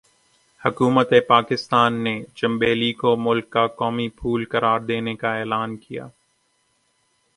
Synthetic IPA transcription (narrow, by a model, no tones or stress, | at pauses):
hʊkuːmət̪epaːkɪst̪aːnːed͡ʒɐ̃mbeːlikomʊlkːakɔːmipʰuːlkɐɾaːɾd̪eːnekaeːlaːnkija̰ː